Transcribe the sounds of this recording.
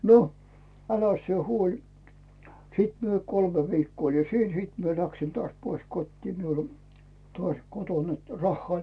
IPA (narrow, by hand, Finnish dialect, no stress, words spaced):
no ælæs sie huolʲi siˑt mie kolme ʋikːoː oli siːn siːt mie læksin tŏɑˑsʲ pois kotʲtiː miul o tŏɑˑsʲ koton net rɑhːŏɑˑ olʲ